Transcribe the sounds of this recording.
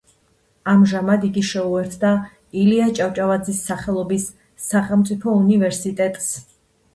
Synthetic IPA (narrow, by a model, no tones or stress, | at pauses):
amʒamad̪iɡiʃɛuɛɾt̪ʰd̪a | iliat͡ʃʼawt͡ʃʼavad̪zisːaχɛlˠɔbisː | aχɛlˠmt̪sʼipʰɔunivɛɾsit̪ʼɛt̪ʼs